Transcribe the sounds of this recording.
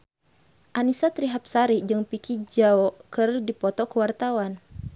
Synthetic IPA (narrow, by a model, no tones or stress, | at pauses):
ʔanisat̪ɾiɦap̚saɾid͡ʒɨŋpikid͡ʒaɔkərdipɔt̪ɔkəwart̪awan